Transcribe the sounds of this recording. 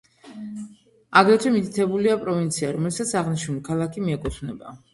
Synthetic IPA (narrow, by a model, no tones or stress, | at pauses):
aɡɾɛt̪ʰwɛmit̪ʰit̪ʰɛbuliapʼɾɔvint̪sʰiaɾɔmɛlsat̪sʰaʁniʃnulikʰalˠakʰimiɛkʼut̪ʰvnɛba̰